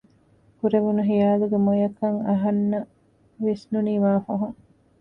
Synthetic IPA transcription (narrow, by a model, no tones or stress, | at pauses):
kuɾeʋunuɦijaːluɡemojɐkɐŋɐɦɐnːɐ | ʋisnuniːmaːfɐɦuŋ